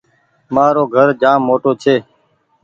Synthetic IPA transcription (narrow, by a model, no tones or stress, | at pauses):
maːɾoːɡʱəɾd͡ʒaːmːoːʈoːt͡ʃʰeː